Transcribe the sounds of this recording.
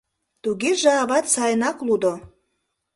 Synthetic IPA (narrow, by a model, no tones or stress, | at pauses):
t̪uɣeʒɑːβɑt̪sɑjnɑklud̪o